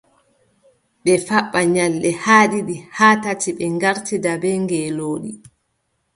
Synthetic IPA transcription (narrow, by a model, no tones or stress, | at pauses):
ɓɛfaɓːaɲalːɛhaːɗiɗihaːtatiɓɛŋɡaɾtidabɛŋɡɛloːɗi